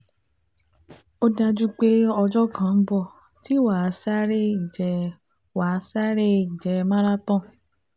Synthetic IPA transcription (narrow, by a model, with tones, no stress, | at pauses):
o˦da˧d͡ʒu˦k͡pe˦ɔ˧d͡ʒɔ˦kã˨˦bɔ˦˨ | ti˨˦wa˨˧˦sa˦ɾe˦i˨d͡ʒɛ˨˧ | wa˨˧˦sa˦ɾe˦i˨d͡ʒɛ˧mã˦ɾa˦tɔ̃˦˨